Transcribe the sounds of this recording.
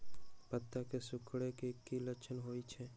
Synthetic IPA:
pət̪ːakesʊkʰɽekekːilət͡ʃʰənɦoit͡ʃʰe

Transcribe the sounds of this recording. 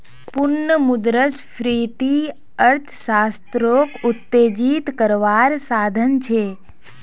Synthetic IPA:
pʊnːəmʊd̪ɾəsfɾit̪i | əɾt̪ʰsast̪ɾokʊt̪ːed͡ʒit̪kəɾʋaɾsaːd̪ʱənt͡ʃʰe

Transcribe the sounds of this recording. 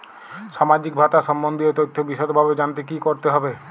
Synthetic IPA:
ʃamad͡ʑik̚bʱat̪aʃɔmbond̪ʱiet̪ot̪ʰːobiʃɔt̪bʱabed͡ʑant̪ekikoɾt̪eɦɔbe

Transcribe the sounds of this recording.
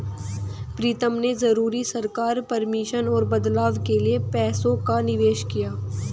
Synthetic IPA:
pɾiːt̪əmnezɐɾuːɾisɐɾkaːɾpɐɾmɪʃənɔːɾbɐd̪laːʋkeliepɛːsõkanɪʋeːʃkijaː

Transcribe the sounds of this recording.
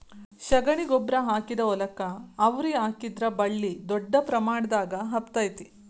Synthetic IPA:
ʃɐɡɐɳiɡɔbɾɐɦaːkid̪ɐɔlɐkɐːʋɾiaːkid̪ɾɐbɐɭːid̪ɔɖːɐpɾɐmaːɳɐd̪aːɡɐɦɐpt̪aːjt̪i̥

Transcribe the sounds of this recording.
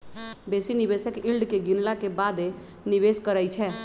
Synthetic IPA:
beːsinɪʋeːsəkɪlɖkeɡɪnlakebaːd̪e | nɪʋeːskəɾaːit͡ʃʰɛː

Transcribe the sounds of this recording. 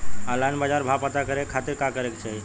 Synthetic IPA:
alanbad͡ʒaɾbʱapət̪akəɾekʰat̪iɾkakəɾekt͡ʃʰaɦi

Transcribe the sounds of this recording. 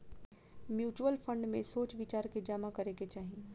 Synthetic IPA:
mjuːt͡ʃuəlfʰə̃ɳɖmẽsoːt͡ʃʋɪt͡ʃaːɾked͡ʒaːmakɐɾeket͡ʃaːɦĩ

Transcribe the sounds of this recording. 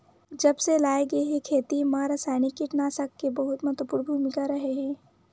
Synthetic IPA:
d͡ʒɐbselaːeɡɐeɦɛ̃kʰeːt̪imãːɾəsaːnikːiʈnaːsɐkːebəɦʊt̪mɐt̪wəpʊɾbʱumɪkaɾɐɦeɦɛ̃ː

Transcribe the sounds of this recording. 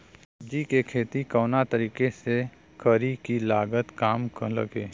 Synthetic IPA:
d͡ʒikekʰeːt̪ikəːnat̪əɾiːkese | kʰəɾikilaːɡət̪kaːmklə̰ɡeː

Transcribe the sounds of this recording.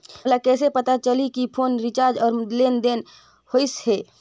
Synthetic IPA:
lakɛːsepət̪at͡ʃəlikipʰoːnɾit͡ʃaːɾd͡ʒɔːɾlend̪en | hoishe

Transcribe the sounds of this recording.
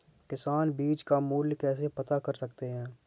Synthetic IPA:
kɪsaːnbiːt͡ʃkamuːljkɛːsepɐt̪akɐɾsɐkt̪eɦɛ̃ː

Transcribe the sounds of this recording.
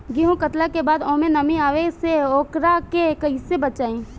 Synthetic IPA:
ɡiɦõkət̪lakebaːd̪ɔ̃ːmẽnɐmĩaːʋeseoːkɾakekɐisebət͡ʃaːẽː

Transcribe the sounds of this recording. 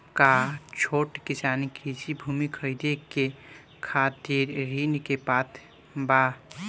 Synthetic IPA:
kat͡ʃʰoʈkisanikid͡ʒibʱumikʰəɾid̪eke | kʰat̪iɾːinkepat̪ʰ | ba

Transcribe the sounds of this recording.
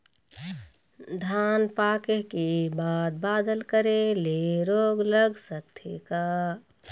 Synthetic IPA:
d̪ʱaːnpaːkeɦkebaːd̪̚baːd̪əlkəɾeleɾoːɡləɡsət̪ʰekaː

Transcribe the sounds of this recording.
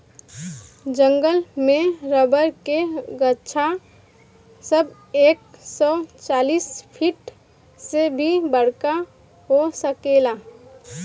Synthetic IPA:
d͡ʒəŋɡəlmẽɾəbəɾkeɡətːʃʰa | səb | eːk̚sɔt͡ʃaːliːspʰiʈ | sebʱibəɽ̤ka | ɦosəkela

